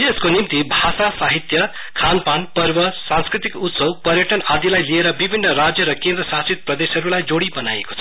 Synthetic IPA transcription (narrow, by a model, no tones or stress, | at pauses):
eskonimt̪ibʱasasaɦit̪jʌ | kʰanpanpʌrbʌsãnskɾit̪ikut̪sʌwpʌɾjʌʈʌnad̪ilajlieɾʌbibʱinːʌɾad͡zjʌɾʌkend̪ɾʌsasit̪̚prʌd̪esɦʌɾulajd͡zoɽibʌna̰jḛko̥t͡sʰʌ